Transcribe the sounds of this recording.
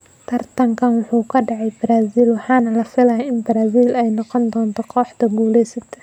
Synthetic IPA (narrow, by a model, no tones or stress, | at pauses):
t̪ʰɐrt̪ʰɐŋkʰɐnwʊħuːkʰɐɖɑʕɑjbɪɾaːsiːlwɑħɑːnɐlɐfɪlɐjɪnbɐɾaːsiːlɛjnɔqɔnd̪ɔːnt̪ʰɔqʰɔːħt̪ɐɡuːlɛjsɐt̪ʰɛ̥